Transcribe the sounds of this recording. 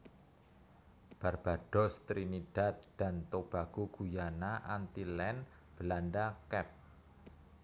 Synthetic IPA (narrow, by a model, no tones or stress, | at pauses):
b̥arb̥a̤ɖ̥ɔ̤st̪ɾiniɖ̥a̤t̪̚d̪̥a̤nt̪ʊk̚b̥aɡ̥uɡ̥ujanaʔant̪ilɛn | b̥əlanɖakɛp̚